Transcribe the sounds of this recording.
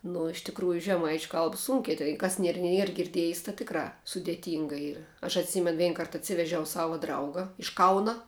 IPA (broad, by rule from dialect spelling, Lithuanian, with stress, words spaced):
nʊ ɪʃ tʲɪkˈruːjʊ ʒʲɛˈmɐɪt͡ʃʲʊ ˈkɐlˠp ˈsuːŋʲkʲɪ tɐɪ ˈkɐs ˈnʲiɛr ˈnʲiɛr ɡʲɪrʲˈdʲiɛjs tɑː ˈtʲɪkrɑː sʊdʲeːˈtʲiːŋɡɐ ˈiːrɐ ɐʃ ɐtʲˈsʲiːmʲɛn ˈʋʲɛɪn ˈkɐrt ɐtʲˈsʲɪʋʲɛʒʲɛʊ ˈsɑːʋɐ ˈdrɐʊɡɐ ɪʃ ˈkɐʊnɐ